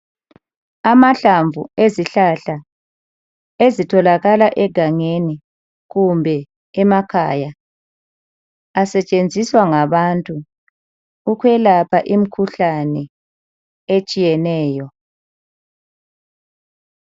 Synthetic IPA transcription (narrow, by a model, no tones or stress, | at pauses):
amaɬaɱvṵeziɬaɬa | ezitʰɔlaɣalaʔɛɡ̥ʱaŋeni | ɣumbʱɛ | ɛmakʰaja | asɛt͡ʃʼend͡zʱiswaŋaβantʼuː | kʰwɛlapʰaʔim̩kʰuɬanɛ | et͡ʃʼijɛnɛːjɔ